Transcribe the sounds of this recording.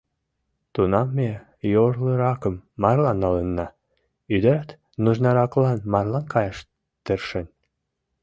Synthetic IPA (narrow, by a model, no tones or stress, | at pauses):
t̪unɑmːe | jorləɾɑkəmːɑrlɑnːɑlənːɑ | yd̪əɾæt̪ | nuʒnɑɾɑklɑnmɑrlɑnkʰɑjɑʃ | t̪ərʃen